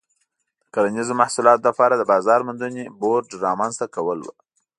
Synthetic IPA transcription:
d̪̥əkaɾanizomahsulɑt̪lapɑɾad̪əbɑzɑɾmʊnd̪uneboɾɖɾɑmanzt̪akawəlwə̰

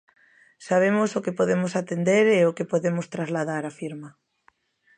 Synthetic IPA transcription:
saβ̞emosokepoðemosat̪end̪eɾeokepoðemʊst̪ɾazlað̞aɾafiɾma

